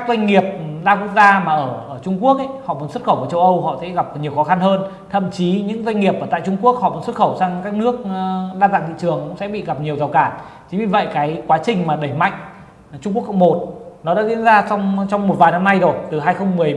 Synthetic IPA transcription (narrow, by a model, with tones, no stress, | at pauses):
ka˦˥k̚zwa˧jŋ̟ŋi˨˩əp̚zaː˧ku˦˥ək̚zaː˧maː˨˩ʔəː˧˩ʔəː˧˩t͡ɕʊ˧ŋ͡mku˦˥ək̚ʔə˧˦jhɔ̰˧˨mu˨˦nswə˥t̚xə˧˩wku˧˩t͡ɕə˧wʔə˧whɔ̰˧˨sɛ̰˧˥ɣa˨˩p̚ɲi˨˩əwxɔ˨˦xa˧nhəː˧n | t̪ʰə̰˧˨mt͡ɕi˨˦ɲɨ̰˧˥ŋza˧jŋ̟ŋi˨˩əp̚ʔəː˧˩t̪a̰ː˧˨jt͡ɕʊ˧ŋ͡mku˦˥ək̚hɔ̰˧˨mu˨˦nsə˦˥t̚xə˧˩wsaː˧ŋkaː˦˥k̚nɨ˦˥ək̚ɗaː˧nt̪a̰ː˧˨nt̪ḭ˧˨t͡ɕɨ˨˩əŋkʊ̰˧˥ŋ͡msɛ̰˧˥ɓḭ˧˨ɣa˨˩p̚ɲi˨˩əwza˨˩wkaː˧˩n | t͡ɕï̟˨˦vi˨˩və̰˧˨jkaː˨˦jkwaː˨˦t͡ɕï˨˩ŋ̟maː˨˩ɗə˧˩jma̰˧˨jŋ̟ | t͡ɕʊ˧ŋ͡mku˦˥ək̚ːɔ̰˧˥ŋ͡mmo˨˩t̚nɔ˨˦ɗa̰ː˧˥zḭ˧˥ənzaː˧t͡ɕɔ˧wŋ͡mt͡ɕɔ˧wŋ͡mmo˨˩t̚vaː˨˩jna˧mna˧jzo˨˩jt̪ɨ˨˩ɦaː˧jxə˧wŋ͡mmɨ˨˩əj